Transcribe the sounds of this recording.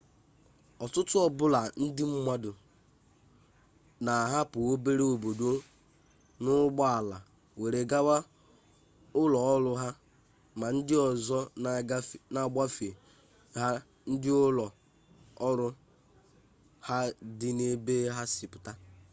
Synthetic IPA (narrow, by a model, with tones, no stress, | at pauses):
ɔ˨tʊ˦tʊ˦ɔ˦bʊ˦la˨n̩˦dɪ˦m̩˦mʷa˦dʊ˨ | na˨ɦa˦pʊ˨o˦be˦ɾe˦o˨bo˨do˦ | nʊ˦ɡ͡bɔ˦a˨la˨ | we˨ɾe˨ɡa˦wa˦ | ʊ˦lɔ˨ɔ˦ɾʊ˦ɦa˦ | ma˨n̩˦dɪ˦ɔ˨zɔ˦˨˦ | na˨ɡ͡ba˦fe˨ | ɦa˦ | n̩˦dɪ˦ʊ˦lɔ˨ | ɔ˦ɾʊ˦ | ha˦dɪ˦ne˦be˦ɦa˦si˨pʊ˨ta˦